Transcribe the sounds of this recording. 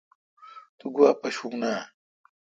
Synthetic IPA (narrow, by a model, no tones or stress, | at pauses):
t̪uɡuaːpɐɕuŋna